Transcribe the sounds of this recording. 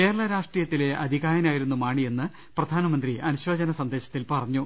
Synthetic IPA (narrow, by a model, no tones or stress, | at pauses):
ke̞ːɾɐɭɐɾaːʂʈrijɐt̪ːile̞ʔɐd̪ʱiɣaːjɐnaːjiɾunːumaːɳie̞nːɨ | prɐd̪ʱaːnɐmɐnd̪riʔɐnuɕʋoːd͡ʑɐnɐsɐnd̪e̞ːɕɐt̪ːilpɐrɐɲːu